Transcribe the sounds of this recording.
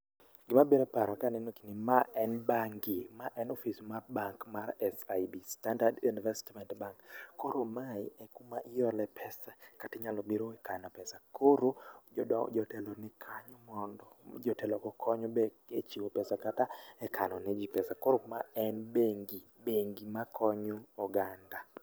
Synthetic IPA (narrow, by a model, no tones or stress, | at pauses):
ɡɪmabiɾɛpaɾɔkanɛnokinɪmaɛnbaŋɡimaʔɛnofismabaŋkmaɾɛsajbistandadunvɛstmɛntbaŋkːoɾomaɪɛkumaʔɪjɔlɛpʰɛsakatɪɲalɔbiɾoɛkanɔpɛsakʰoɾo̰ | d͡ʒɔtɛlɔnɛkʰaɲɔmɔndɔd͡ʒɔtɛlɔkɔkʰɔɲɔbɛ | et͡ʃiwopɛsakataɛkʰanɔnɛd͡ʒipɛsakoɾomaɛnbeŋɡi | beŋɡimakʰɔɲoɔɡanda